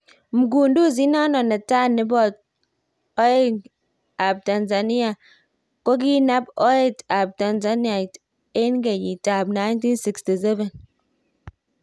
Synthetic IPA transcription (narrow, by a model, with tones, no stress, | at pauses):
mu˨ɡu˨ndu˦˨z̬i˦na˦nɔ˨na˨ta˦ni˨˦bɔ˦˨t̚ | o˦e˦ | a˨b̚ta˨nza˨ni˦a˨ | ko˦k̬i˦na˦bo˦e˦˨ta˨b̚ta˨nza˦ni˦a˨t | e˦nɡe˨ji˨ta˨bna˦jnti˦nsi˨ksti˨sɛ˦ve˨n